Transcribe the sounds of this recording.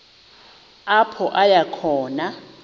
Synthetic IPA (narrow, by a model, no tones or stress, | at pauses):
apʰɔʔajakʰɔːna